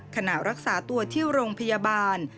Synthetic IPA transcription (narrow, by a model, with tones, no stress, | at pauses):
kʰa˧na˨˩ɾa˦˥k̚saː˩˦t̪u˧ɐt̪ʰi˥˩əwɾoː˧ŋpʰa˧jaː˧baː˧n